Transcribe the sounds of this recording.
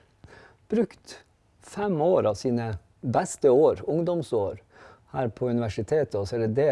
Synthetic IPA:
b̥ɾʉkt̪ | fɛmoːɾɑːʋsiːnə | bæst̪əoːɾʊŋd̪ɔmsoːɾ | hæːɾpʰoːʉnɪʋæʂɪt̪ʰeːt̪əɔsɛd̪ɛd̪eː

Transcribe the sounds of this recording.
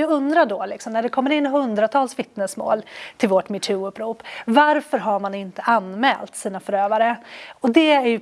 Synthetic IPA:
jaɡɵnd̪ɾaɖɔlɪksɔmnæɖɛkʰɔmːəɾɪnːɦɵnd̪ɾat̪ʰɑːlsvɪt̪nəsmo̰ːlt̪ʰɪlvɔʈmɪʈ̪ʰʉːɵpːɾuːpːvaɾfœɾɦaɾmanɪnt̪əʔanmɛ̰ːlt̪siːnafœɾøːvaɾəɔd̪ɛæɾjɵ

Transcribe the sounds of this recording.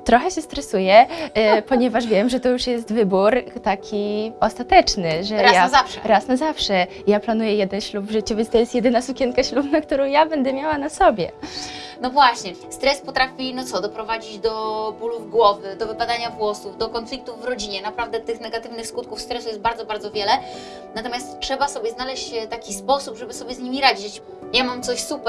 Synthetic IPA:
t̪ɾɔxɛɕɛst̪ɾɛsujɛpɔɲɛvaʂvʲjɛmʐɛt̪ɔjuʂjɛst̪vɘbuɾt̪akʲʰiɔst̪at̪ɛt͡ʂnɘʐɛɾjaazafʂɛ̰ɾasnazafʂɛ | japlanujɛjɛd̪ɛnɕlubvʐɘt͡ɕuvʲjɛnt̪ɔjɛst̪jɛd̪ɘnasukʲɛnkaɕlupnak̚t̪uɾɔ̃w̃jabɛnd̪ɛmʲjawanasɔbʲjɛ̰ | nɔvwaɕɲɛ | st̪ɾɛspɔt̪ɾafʲinɔt̪sɔd̪ɔpɾɔvad͡ʑid͡ʑd̪ɔbuluvɡwɔvɘd̪ɔvɘpad̪aɲavwɔsuvd̪ɔkɔnflʲik̚t̪uvːɾɔd͡ʑiɲɛnapɾavd̪ɛt̪ɘxnɛɡat̪ɘvnɘxskut̪̚kufst̪ɾɛsujɛst̪baɾd̪ɔbaɾd̪ɔvʲjɛlɛ | nat̪ɔmʲast̪ʂɛbasɔbʲjɛznalɛɕt͡ɕt̪akʲispɔsupʐɛbɘsɔbʲjɛzɲimʲiɾad͡ʑit͡ɕt͡ɕ | jamamt̪sɔɕsupɛ

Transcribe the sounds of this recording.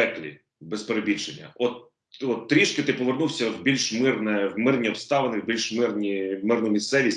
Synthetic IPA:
ɛklʲḭ | bɛspeɾebʲit͡ʃenʲːɐ̰ɔt̪ | ɔt̪ːɾʲiʃkɪt̪ɪpɔʋernuwsʲɐwbʲilʲʃmɪrnɛwmɪrnʲiɔpst̪ɑʋenɪwbʲilʲʃmɪrnʲimɪrnʊmʲist̪sɛʋʲisʲ

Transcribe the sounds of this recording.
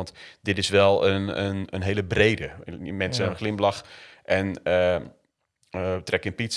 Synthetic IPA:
ɑntdɪtɪsʋɛlˠənənənɦeːlˠəbreːdəmɛnsəəxlɪmblɑxʔɛnə | trɛkɪnpits

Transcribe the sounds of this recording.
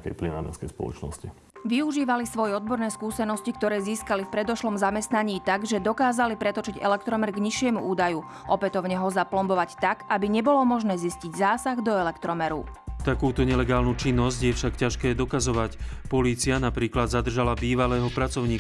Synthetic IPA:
kɛ̰jplina̰ːɾɛ̰skɛjspɔ̰lɔ̰t͡ʃnɔ̰sci | ʋiuʒiːʋalisʋɔjɛɔd̪̚bɔɾnɛːskuːsɛnɔscik̚t̪ɔɾɛːziːskalifpɾɛd̪ɔʃlɔmzamɛst̪naɲiːt̪aɡʒɛd̪ɔkaːzalipɾɛt̪ɔt͡ʃiɟɛ̰lɛk̚t̪ɾɔmɛɾɡɲiʃɪɛmuʔuːd̪aju | ʔɔpɛt̪ɔʊɲɛɦɔzaplɔmbɔʋact̪aɡabiɲɛbɔlɔmɔʒnɛːzisciɟzaːsaɣd̪ɔɛlɛkt̪ɾɔmɛɾṵt̪akuːt̪ɔɲɛlɛɡaːlnut͡ʃinːɔzɟjɛfʃakcaʃkɛːd̪ɔkazɔʋacpɔliːt͡sianapɾiːklad̪zad̪r̩ʒalabiːʋalɛːɦɔpɾat͡sɔʊɲiː

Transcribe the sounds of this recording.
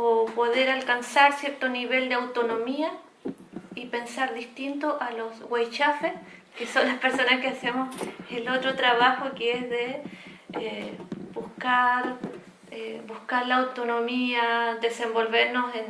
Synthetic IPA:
opo̞ðe̞ɾalkansaɾsje̞ɾt̪oniβe̞ld̪eawt̪o̞no̞mia | ipe̞nsaɾðist̪int̪oʔalo̞sɣwajt͡ʃafeskeso̞nlaspeɾso̞naskeasemoselot̪ɾot̪ɾaβaxokeezðe | ebuhkaɾ | ebuhkaɾlaːwt̪o̞nomiaðe̞se̞mbo̞lβeɾnosen

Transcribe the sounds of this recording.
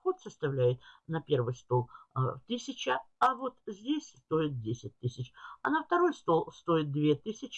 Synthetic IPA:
xo̞t̪səst̪ɐvlʲæjɪt̪̚nɐpʲe̞rvɨjst̪o̞lˠt̪ɨsʲɪt͡ɕəɐvo̞t̪zʲdʲesʲst̪o̞ɪt̪̚dʲesʲɪt̚ʲt̪ɨsʲɪt͡ɕɐnəft̪ɐɾo̞jst̪o̞lˠst̪o̞ɪt̪̚d̪vʲet̪ɨsʲɪt͡ɕ

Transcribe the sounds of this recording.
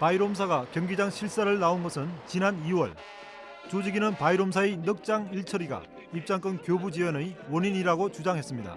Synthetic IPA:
paiɾomsʰaɡakjʌŋɡid͡ʑaŋɕʰiɭs͈aɾɯɭnaonɡʌsʰɯnt͡ɕinaniwʌ̰ɭ | t͡ɕod͡ʑiɡinɯnpaiɾomsʰaenɯk̚t͡ɕ͈aŋiɭt͡ɕʰʌɾiɡa̰ | ip̚t͡ɕ͈aŋk͈ɯnkjobud͡ʑiwʌnɯiwʌniɲiɾaɡot͡ɕud͡ʑaŋɦes͈ɯmɲida̰

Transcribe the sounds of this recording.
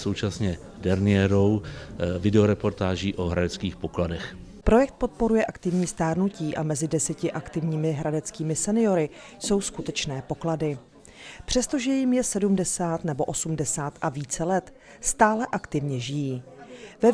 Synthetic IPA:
sowt͡ʃasɲɛ | dɛɾnɪɛɾowvɪdɛoɾɛpo̞ɾt̪aːʒiːʔoɦɾadɛt͡skiːxpokladɛx | pɾo̞jɛk̚t̪̚po̞t̪̚po̞ɾujɛʔakt̪ɪvɲiːst̪aːɾnuciːʔamɛzɪdɛsɛcɪʔakt̪ɪvɲiːmɪɦɾadɛt͡skiːmɪsɛnɪjo̞ɾɪ | so̞wskut̪ɛt͡ʃnɛːpo̞kladɪ | pr̥ɛst̪o̞ʒɛjɪmjɛsɛdumdɛsaːt̪nɛbo̞ʔo̞sumdɛsaːt̪ʔaviːt͡sɛlɛt̪ | st̪aːlɛʔakt̪ɪvɲɛʒɪjiːvɛ

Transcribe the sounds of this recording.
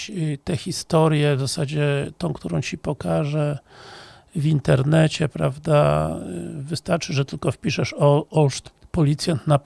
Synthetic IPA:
t̪ɛxʲist̪ɔɾjɛvzasad͡ʑɛt̪ɔ̃w̃kt̪uɾɔ̃w̃t͡ɕipɔkaʐɛ | vʲint̪ɛɾnɛt͡ɕɛpɾa̰vd̪a̰ | vɘst̪aɾt͡ʂɘʐɛt̪ɘlkɔfpʲiʂɛʂɔɔʂt̪pɔlʲit̪sʲjant̪na

